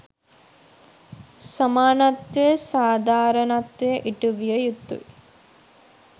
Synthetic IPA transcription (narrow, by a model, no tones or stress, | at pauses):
sɐmaːnɐt̪ʋɐsaːd̪ʱaːɾɐnɐt̪ʋɐʔiʈuʋjɐjut̪ːṵ